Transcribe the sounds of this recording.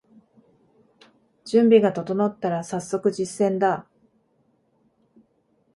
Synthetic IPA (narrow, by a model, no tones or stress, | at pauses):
d͡ʑɨ̃mbʲiɡat̪o̞t̪o̞not̪ːaɾasasːo̞kɯ̟ʑisːẽ̞nd̪a